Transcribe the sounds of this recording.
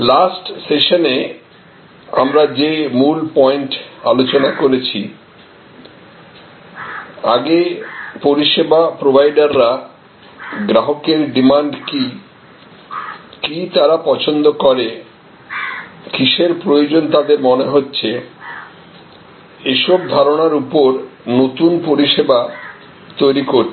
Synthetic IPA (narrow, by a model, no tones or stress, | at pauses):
lasʈseʃone | a̰mɾad͡ʑemulpɔeɳʈa̰lot͡ɕonakoɾet͡ɕʰi | aɡepoɾiʃebapɾobʱajɖaɾːa | ɡɾaɦokeɾɖimaɳɖki | kit̪aɾapɔt͡ɕʰond̪okɔɾe | kiʃeɾpɾojod͡ʑont̪ad̪eɾmoneɦotːɕʰe | eʃɔbd̪ʱaɾonaɾupoɾnot̪unpoɾiʃeba | t̪ojɾikoɾ